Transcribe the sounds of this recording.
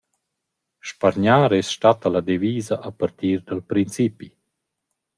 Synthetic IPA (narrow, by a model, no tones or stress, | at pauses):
ʃpaɾɲaːɾɛsʃtat̪alad̪eviːzaʔapaɾt̪iːɾd̪alpɾint͡sipi